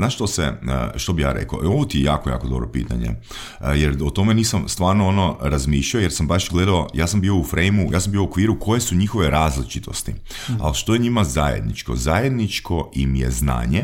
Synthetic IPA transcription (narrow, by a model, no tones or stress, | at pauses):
naːʃt̪o̞sḛʃt̪obija̰ːɾḛko̰ʔeoʋot̪ijejaːkoja̰ːkod̪o̞bɾo̞̰pḭːt̪aɲḛ | jeɾot̪o̞me̞niːsamst̪ʋaːɾnoonoɾazmiːʃʎaojeɾsambaʃɡle̞d̪aojaːsambio̞ufɾejmuja̰ːs̬ambijo̞okʋiːɾukʰo̞je̞suɲixoʋe̞ɾaːzlit͡ʃit̪ʰo̞st̪i | a̰lʃt̪o̞jeɲimazajḛd̪nit͡ʃko̞̰zajed̪nit͡ʃkʰo̞ʔimije̞̰zna̰ːɲe